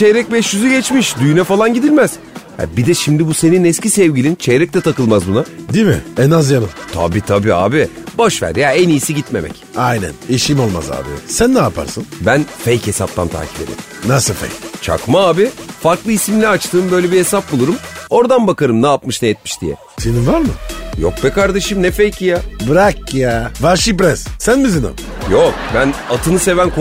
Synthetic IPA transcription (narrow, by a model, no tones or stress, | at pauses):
t͡ʃejɾɛc̚bɛʃjyzyɟɛt͡ʃmiʃd̪yjnɛfalˠanɟid̪ilʲmæz̥ | ha̰bid̪ɛʃimd̪ibuse̞ninɛscʲisɛvɟilʲint͡ʃʰejɾɛc̚t̪ɛt̪ʰakɯlˠmazbunad̪imɪ̰ɛnazjanɯmt̪ʰa̰bit̪ʰabia̰ːbibaʃvæ̰ɾd̪ijaenijːsiɟit̪me̞̰mɛ̰cajnæ̰niʃimo̞lˠma̰za̰ːbɪ̰sænːaːpʰa̰ɾsɯnbænfejche̞sap̚t̪ʰa̰nt̪ʰa̰ːcʰi̥be̞d̪ḭm | nasɯfḛjt͡ʃʰa̰kmaaːbifaɾklˠɯisimilʲæat͡ʃt̪ʰɯːmbø̞jlʲebihe̞sap̚bulˠuɾumo̞ɾd̪anbakaɾɯmnaːpmɯʃnɛjɛt̪̚miʃd̪ijɛ̰ | seninvaɾmɯjo̰k̚bɛkaɾd̪eʃɯmnɛfejcʰijabɾakːjaːvaɾʃibɾɛssænbizino̰ | jokbænat̪ʰɯnɯse̞vænkʰo